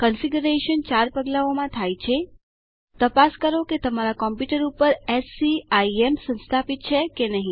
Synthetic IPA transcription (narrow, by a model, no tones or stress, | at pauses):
kənfiɡuɾeʃənt͡ʃaɾpəɡlaomãt̪ʰajt͡ʃʰe | t̪əpaskəɾoket̪əmaɾakɔmpjuʈəɾupəɾɛsiaiemsə̃nst̪ʰapit̪̚t͡ʃʰekenəɦĩ